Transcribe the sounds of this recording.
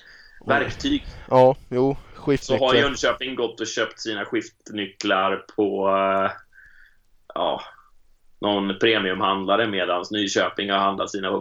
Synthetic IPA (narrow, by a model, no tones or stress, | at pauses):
væɾkt̪ʰyːɡjuːɧɪsɔɦaɾjɵnd̪əɕøːpɪŋɡɔt̪ːɔɕøːpt̪siːnaɧɪft̪nʏklaɾpʰɔ | ɑ̰ː | nʔɔnpʰɾeːmɪɵmhand̪laɾəmeːd̪ansnyːɕøːpɪŋhaɾhand̪at̪siːnapɔ